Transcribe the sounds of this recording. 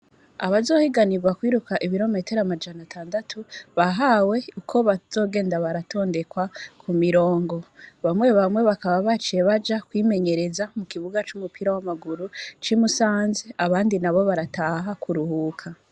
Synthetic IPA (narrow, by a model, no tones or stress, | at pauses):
aβazo̞ːhiɡaniɾɡwakwiːɾukaʔiβiɾo̞me̞te̞ɾamad͡ʒanatʰaːndatʰuβaɦawe̞ukʰo̞βaz̥o̞ːɡe̞ːndaβaɾatʰo̞ːnde̞kwakʰumiɾo̞ːŋɡo̞βamwe̞βamwe̞βakaβaβat͡ʃijeβad͡ʒakwiːme̞ɲe̞ɾe̞zamukiβuɡat͡ʃumupiɾawamaɡuɾut͡ʃimusaːnzeʔaβaːndinaβo̞βaɾataɦakʰuɾuhukʰa